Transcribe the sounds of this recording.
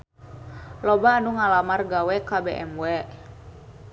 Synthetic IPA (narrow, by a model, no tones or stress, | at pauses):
lɔbaːnuŋalamarɡawɛkabeʔɛmwɛ